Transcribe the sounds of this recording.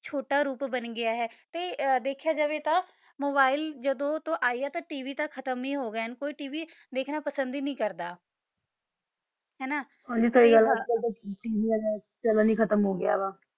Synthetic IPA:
t͡ʃʰoːʈaːɾuːpbənɡɪaːɦɛːt̪eːd̪eːkʰjaːd͡ʒaːʋeːt̪ãː | moːbaːɪld͡ʒəd̪õːt̪õːʔaːiːaːt̪ãːʈiːʋiːt̪akʰət̪əmĩːɦoːɡjːənkoːiːʈiːʋiː | d̪eːkʰnaːpəsənd̪iːnəĩːkəɾd̪aː | ɦɛːnaː | ɦãːd͡ʒiːkəiːɡələkəlt̪õʈiːʋiːaː | pɛlaːnĩːkʰət̪əmɦoːɡɪja̰ːbaː

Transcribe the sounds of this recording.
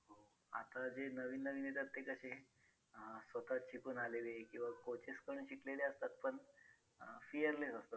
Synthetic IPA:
ɦo | a̰t̪ad͡ʑenəʋiːnːəʋiːnet̪ət̪ːekəɕe | sʋət̪at͡ɕikuːnalelekĩw̃ʋakot͡ɕeskəɳ̃ũɕikleleəst̪at̪pəɳ | fijəɾlesəst̪ə

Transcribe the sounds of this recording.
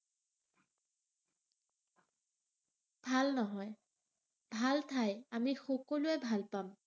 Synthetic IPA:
b̥ʱalnɔɦɔj | bʱaltʰajamixɔkɔlʊɛbʱalpam

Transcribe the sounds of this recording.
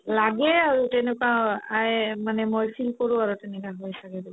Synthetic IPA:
laɡɛaɹutɛnɛkaajmanɛmojfʰilkoɹʊ̃aɹutɛnɛkaɦojsʰakɛdɛ

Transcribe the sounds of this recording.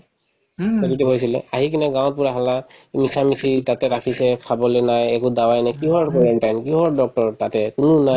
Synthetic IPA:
ɔbitɛkojsilɛ̰aɦikinɛɡãw̃t̚puɹaɦalamisʰamisʰitatɛkakʰisɛpʰabɔlɛnajɛkʊdawajnajkiɦɔɹkɔɹɛnʈajnkiɦɔɹdɔk̚tɔɹtatɛkʊnʊna

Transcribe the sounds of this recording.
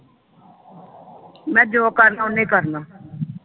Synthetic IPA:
mɛ̃ːd͡ʒoːkəɾnaːʊ̃nẽːkəɾnaː

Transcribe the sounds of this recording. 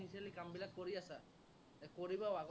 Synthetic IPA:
iselikambilat̚koɹiasa | ɛkoɹibaaɡ

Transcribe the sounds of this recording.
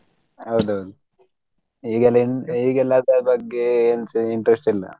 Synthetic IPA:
hɐwd̪uɦɐwd̪u | iːɡɛlːɐiɳiːɡɛlːaːd̪abɐɡːeːnsiɳʈɾesʈilːɐ̰

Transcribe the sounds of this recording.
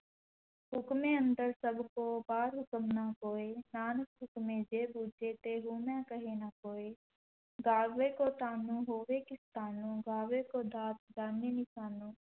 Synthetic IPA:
ɦʊkmẽːə̃nd̪əɾsəbʱkoːbaːɾɦʊkəmnakoːeːnaːnəkɦʊkmẽːd͡ʒeːbuːd͡ʒet̪eːɦuːmɛ̃ːkəɦenakoːeː | ɡaːekoːt̪aːnũːɦoːʋeːkɪst̪aːnũːɡaːʋeːkoːd̪aːt̪̚d͡ʒaːneːnɪʃaːnũː

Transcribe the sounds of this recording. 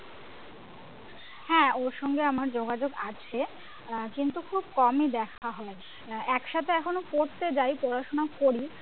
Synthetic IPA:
hɛ̃oɾʃɔŋɡeamaɾd͡ʑoɡad͡ʑoɡat͡ɕʰe | kint̪ukʰub̚kɔmid̪ɛkʰaɦɔe | ɛkʃat̪ʰeɛkʰonokoɾt̪ed͡ʑajpɔɾaʃonakoɾi

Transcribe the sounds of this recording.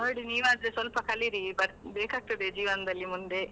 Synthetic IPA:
noːiɽiniːʋaːd̪ɾesʋɐlpɐkʰɐlːiɾibɐɾbeːkaːɡ̚t̪ɐd̪ed͡ʒiːʋɐnɐd̪ɐlːimund̪e

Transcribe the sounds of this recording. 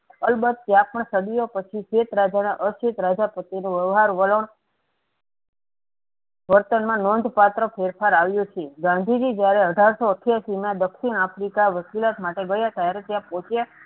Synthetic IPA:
əlbəd̪̚t̪jãpəɳsəd̪ijopət͡ʃʰiʃet̪ɾad͡ʒanaʔəʃet̪ɾad͡ʒapət̪inũʋəʋɦaɾʋələɳ | ʋəɾt̪ənmãnond̪ʱpat̪ɾəfʰeɾfʰaɾaʋjut͡ʃʰeɡãnd̪ʱid͡ʒid͡ʒjaɾeəɖʱaɾsoəʈʰjasimjãd̪əkʃinafɾikaʋəkilat̪maʈeɡəjat̪aɾet̪jãpɔ̃t͡ʃja

